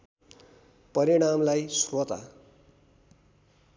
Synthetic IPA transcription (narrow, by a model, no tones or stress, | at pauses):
pʌɾiɽ̃amlajsrot̪a̰